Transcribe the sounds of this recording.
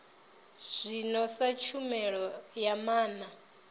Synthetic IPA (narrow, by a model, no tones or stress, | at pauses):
z̥ʷinɔsat͡ʃʰumɛɺɔjamaːna